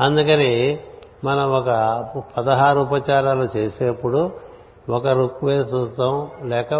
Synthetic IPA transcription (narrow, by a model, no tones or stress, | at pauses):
ɐnd̪ukɐnemɐnɐmɔkɐpɐd̪ɐɦaːɾuːp̬ɐt͡ʃaːɾaːlut͡ʃe̞ːseɐpːuɽu | ɔkɐɾukʋeːtust̪ːɐmlɛːkɐ